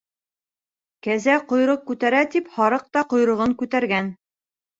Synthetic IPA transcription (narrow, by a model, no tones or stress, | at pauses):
kæzæqŏjɾɤq̚kːʉt̪æɾæt̪iphɑɾɤq̚t̪ɑqŏjɾɤ̆ʁɤŋkʉt̪æɾɡæn